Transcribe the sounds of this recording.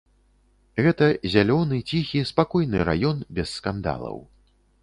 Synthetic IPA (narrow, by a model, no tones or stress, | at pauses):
ɣɛt̪ɐzʲalʲɔnɨt͡sʲixʲispakɔjnɨɾa̰jɔnbʲɛsːkand̪a̰lˠɐ̰w